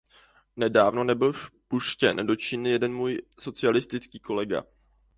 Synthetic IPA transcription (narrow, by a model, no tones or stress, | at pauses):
nɛdaːvno̞nɛbɪlfpuʃcɛ̰ndo̞t͡ʃɪnɪjɛdɛnmuːjso̞t͡sɪalɪst̪ɪt͡skiːko̞lɛɡa̰